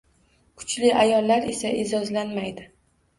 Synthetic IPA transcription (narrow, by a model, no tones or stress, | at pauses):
kʰʊ̥t͡ʃlɪʔajɒlːaɾe̞saed͡ʒɒzlanmajd̪ɪ